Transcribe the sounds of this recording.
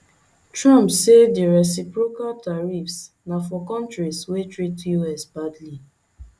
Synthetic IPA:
tɹɔ̃mpsediɹɛs̬ipɹokaltaɹifs | nafɔkɔ̃ntɹiswetɹitjuɛsbadli

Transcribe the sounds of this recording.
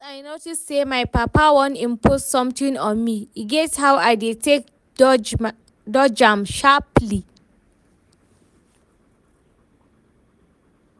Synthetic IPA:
ajnotusemajpapawɔ̃nĩmpʰossɔ̃mtĩŋɔ̃nmiiɡɛthawajditʰek̚ | dɔd͡ʒãmʃapli

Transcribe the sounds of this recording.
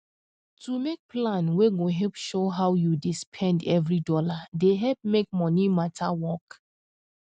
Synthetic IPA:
tumek̚plãnweɡoɦɛlpʃoɦawjudispʰɛ̃ndɛvɹidɔladeɦɛlp̚mek̚mɔnimatʰawɔk

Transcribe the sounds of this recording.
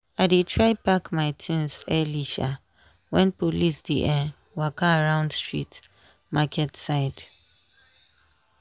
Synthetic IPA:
aɪdetʰɹaɪbakmaɪtʰĩnsɛliʃa | wɛ̃npolisdiʔɛ | wakaːɹãʊ̃ndstɹḭt | makʰɛtsaɪd

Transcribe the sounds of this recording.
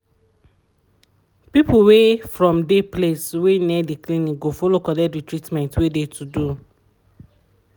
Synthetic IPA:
pipuwefɹɔ̃mdepleswenɛdiklinĩkɡofolokɔdɛdwitɹitmɛ̃ntwedetʰudu

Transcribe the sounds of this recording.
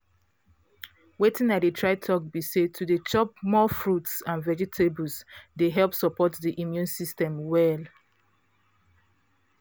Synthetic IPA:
wetĩnadətʰɹaɪtʰɔk̚bised̚tʰudet͡ʃɔp̚mɔfɹutsãnvɛd͡ʒɛtʰebəlsdeɦɛlˠpsɔpʰɔtdiʔimjũnsistɛ̃mwɛl

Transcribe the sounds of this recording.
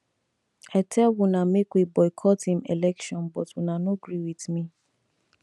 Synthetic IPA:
aɪtʰɛlwunamekwibɔɪkʰɔthĩmḛlɛkʃɔ̃nbɔtwunanoɡɹiwiθmi

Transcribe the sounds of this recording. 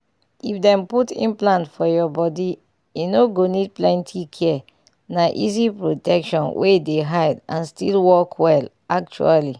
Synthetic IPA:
ifdɛ̃mputḭ̃nplãntfɔjɔbɔdi | inoɡonid̚plɛ̃ntʰikʰɛ | naʔizipɹotɛkʃɔ̃nwʔedeɦajdã̰nstḭlwɔkʰwɛl | ak̚t͡ʃṵali

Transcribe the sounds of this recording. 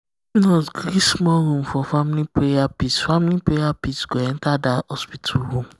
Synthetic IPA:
inɔɡɾismɔɾõmfɔfamilipɾejapisfamilipɾejapisɡ̥oɛ̃ntadahɔspitʰuɦõm

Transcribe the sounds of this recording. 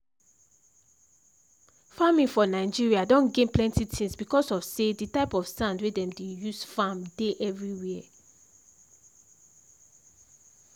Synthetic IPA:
famĩŋfɔnaɪd͡ʒiɹiadɔ̃nɡẽnplɛ̃ntitʰĩŋsbikɔsɔvseditaɪpɔv̥sãndwɛdɛ̃mdejusfãmdeʔɛvɹiwi

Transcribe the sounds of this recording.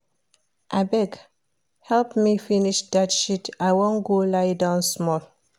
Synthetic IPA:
ʔabɛk | hɛlpmifiniʃdatʃitaɪwõnɡolaɪdãʊ̃nsmɔl

